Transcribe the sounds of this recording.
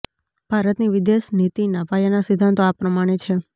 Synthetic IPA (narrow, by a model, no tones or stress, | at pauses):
b̥ʱaɾət̪niʋid̪eʃnit̪inəʋajanasɪd̪ʱːant̪oapɾəmaɽ̃et͡ʃʰe